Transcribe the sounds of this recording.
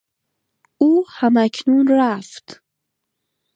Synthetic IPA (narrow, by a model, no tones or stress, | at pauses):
uhamakʲʰnunraftʰ